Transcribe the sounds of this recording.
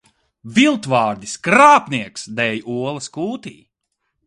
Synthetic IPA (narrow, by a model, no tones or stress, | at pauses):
vilˠt̪vaːɾd̪iskɾaːpniɛksd̪ɛjuɔlˠɐskuːt̪iː